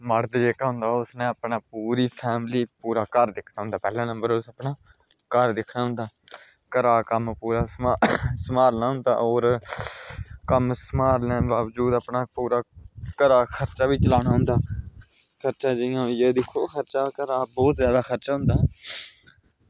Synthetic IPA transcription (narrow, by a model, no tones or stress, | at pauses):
məɾd̪d͡ʒeːkaːɦʊ̃nd̪aːʊsnẽːəpɳaːpuːɾiːpʰɛːmliːpuːɾaːkəɾd̪ɪkʰnaːɦʊ̃nd̪aːpɛːlãːnəmbəɾʊsəpɳaː | kəɾd̪ɪkʰnaːɦʊ̃nd̪aː | kəɾaːkəmpuːɾaːsasəmaːɾnaːɦʊ̃nd̪a̰ːoːɾ | kəmsəmaːɾnaːbaːʋd͡ʒuːd̪aːpɳaːpuːɾaːkəɾaːkʰəɾt͡ʃaːʋiːt͡ʃəlaːɽaːɦʊ̃nd̪aː | kʰəɾt͡ʃãːd͡ʒɪjãːjeːd̪ɪkʰːoːkʰəɾt͡ʃaːkəɾaːbɔːt̪zjaːd̪aːkʰəɾt͡ʃaːɦʊ̃nd̪aː